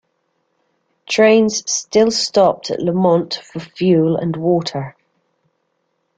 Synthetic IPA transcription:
tʰɹ̥ẽɪ̃nz̥stɪlˠstɒp̚tʰə̰ʔləmɒ̃ntfəfjʉːlə̰̃nwɔˑtʰə˞

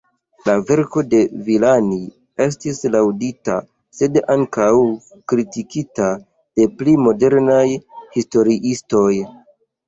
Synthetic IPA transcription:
lave̞ɾko̞de̞vilani | e̞s̬tislawdita̰ | se̞daŋkaw | kɾitikita | d̥e̞plimo̞de̞ɾnajhisto̞ɾiʔisto̞j

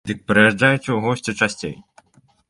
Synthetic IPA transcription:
d̪ɨk̚pɾɐjaʐd͡ʐajut͡ʂɐwɣɔɕʲt͡sʲɛt͡ʂasʲt͡sʲḛj

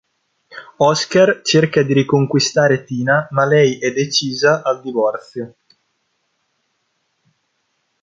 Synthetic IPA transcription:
ɔskart͡ʃerkad̪iɾikoŋkwist̪aːɾet̪iːnamalɛjʔɛd̪et͡ʃiːzaʔald̪ivɔrt̪sjo

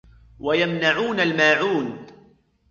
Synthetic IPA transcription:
wajamnaʕuːnalmaːʕuːn

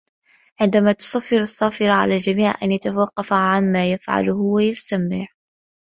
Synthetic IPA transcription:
ʕɪnd̪amaːt̪ʊ̥sˤɑfːɪɾɑsˤːɑːfɪɾɑʕa̰laːld͡ʒamiːʕʔanjat̪awɑqːɑfaʕammaːjafʕa̰lʊhʊwajast̪amːɪʕ

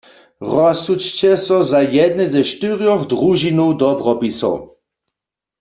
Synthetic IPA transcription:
ʁɔsut͡ʃt͡ʃɛsɔzajɛd̪nɛzɛʃtɨʁjɔɣd̪ʁuʒinowd̪ɔbʁɔpisɔ̰w

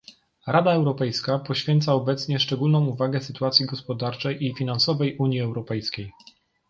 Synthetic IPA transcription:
ɾʔad̪aɛwɾɔpɛjskapɔɕfʲjɛnt̪saɔbɛt̪sɲɛʂt͡ʂɛɡulnɔ̃w̃uvaɡɛsɘt̪uat̪sʲjiɡɔspɔd̪aɾt͡ʂɛjifʲinansɔvɛjʔuɲjiɛwɾɔpɛjskʲej

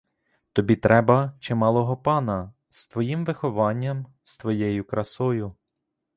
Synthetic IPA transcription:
t̪ɔbʲit̪ɾɛbɐt͡ʃɪmɑlˠɔɦɔpɑnɐ | st̪ʋɔjimʋɪxɔʋɑnʲːɐm | st̪ʋɔjɛjʊkɾɐsɔjʊ

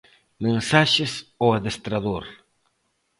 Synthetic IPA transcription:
mẽnsaʃɪsoaðest̪ɾaðoɾ

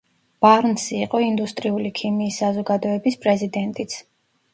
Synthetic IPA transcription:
b̥aɾnsiːqʼɔind̪ust̪ʼɾiulikʰimiːsːazɔɡad̪ɔɛbispʼɾɛzid̪ɛnt̪ʼit̪sʰ

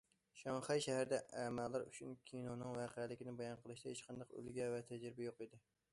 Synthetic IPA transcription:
ʃɑŋχɑjʃæhæɾd̪ɛʔæmælːæɾṵʃʰunkʲʰinonɨŋvɑqʰəlɪkʲɪnɪbɑjɑnqʰəlˠɨʃd̪ɛhet͡ʃqʰɑnd̪ɑqy̰lɡʲɛvɛt̪ʰɛd͡ʒɾɪbɛjoqed̪ɪ

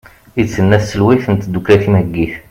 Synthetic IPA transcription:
it͡sːənːæθsːəlwiθənt̪d̪uklæθimæɡːiθ

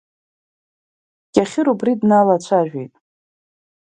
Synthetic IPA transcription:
ɡ̥ʲaχʲɪɾubridnalat͡ɕʷʰaʒᶣejtʼ

